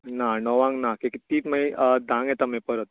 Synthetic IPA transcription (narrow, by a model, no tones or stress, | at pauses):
nanɔʋãŋɡnakikit̪iːʈməid̪ãŋɡɛt̪amẽpəɾət̪̚